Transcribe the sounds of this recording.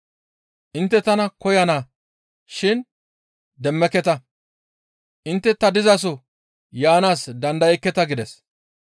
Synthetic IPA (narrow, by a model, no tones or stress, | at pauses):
ʔɪnt̪ːɛt̪ɐnɐkɔjɐnaː | ʃɪn | d̪ɛmːɛkːɛt̪ɐ | ʔɪnt̪ːɛt̪ɐd̪ɪzɐs̬ɔ | jaːnaːsd̪ɐnd̪ɐjɛkːɛt̪ɐɡɪd̪ɛs